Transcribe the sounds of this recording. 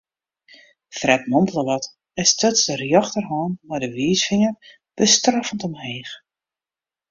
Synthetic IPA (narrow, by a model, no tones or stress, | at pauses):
frɛp̚mɔmpəlˠəʋɔt | ɛstɔtsərjɑxtərɦɔːnmɛjdəʋiːsfɪŋər | b̥əstrafəntɔmheːx